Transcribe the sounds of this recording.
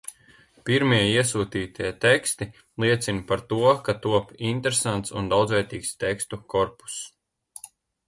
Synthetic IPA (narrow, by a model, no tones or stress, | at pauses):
piɾmiɛiɛsuːt̪iːt̪ʰiɛt̪ekst̪i | lˠiɛt̪sinpaɾt̪uɔkat̪uɔpint̪eɾesant̪sṵnd̪awd̪zvɛːɾt̪iːkst̪ekst̪ukɔɾpu̥s